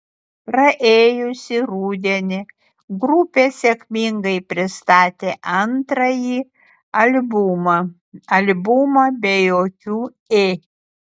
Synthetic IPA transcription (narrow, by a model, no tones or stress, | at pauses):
pɾɐʔeːjʊsʲɪɾuːd̪ʲɛnʲɪ | ɡɾʊpʲeːsʲekʲmʲɪŋɡɐɪpʲɾʲɪst̪ɑːt̪ʲeːʔɐnt̪ɾɐjiː | ɐlʲbʊmɐ | ɐlʲbʊmɐbʲɛjoːkʲuː | eː